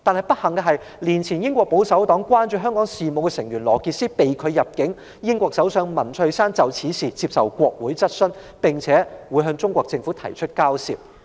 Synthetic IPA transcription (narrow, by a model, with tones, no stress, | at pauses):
t̪aː˨˧nhɐ˨˩jpɐ˥t̚hɐ˨˩ŋkɛː˧ɦɐ˨j | liː˨˩nt͡sʰiː˨˩njɪ˥ŋkʷɔː˧k̚po˨˥wsɐ˨˥wt̪ɔː˨˥ŋkwaː˥nt͡ʃyː˧˩ɦœː˥ŋkɔː˨˥ŋsiː˨˩mo˨˧wkɛ˧sɪ˨˩ŋɥyː˨˩nlɔ̰ː˨˩kiː˧t̚siː˥pe˨jkʰɵ˨˧ɥjɐ˨˩p̚kɪ˨˥ŋ | jɪ˥ŋkʷɔː˧k̚sɐ˨˥wsœː˨˧ŋmɐ˨˩nt͡ʃʰhɵ˧saː˥nt͡sɐ˨wt͡sʰiː˨˥siː˨t͡siː˧p̚sɐ˨˩wkʷɔː˧k̚wuː˨˥jt͡sɐ˥t̚sɵ˥npɪ˨˩ŋt͡sʰɛː˨˥wuː˨˥jɦœː˧ŋt͡sʊ˥ŋkʷɔː˧k̚t͡sɪ˧ŋfuː˨˥t̪ʰɐ˨˩jt͡ʃʰɵ˥t̚kaː˥wsḭː˨˩p̚